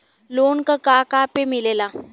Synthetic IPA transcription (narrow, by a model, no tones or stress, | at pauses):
loɳkakakapemilela